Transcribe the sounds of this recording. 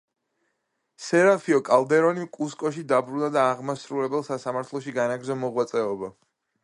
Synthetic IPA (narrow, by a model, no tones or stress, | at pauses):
sɛɾapʰiɔkʼalˠd̪ɛɾɔnimkʼuskʼɔʃid̪abɾunad̪aːʁmasɾulɛbɛlˠsasamaɾt̪ʰlˠɔʃiɡanaɡɾzɔmɔʁwat̪sʼɛɔba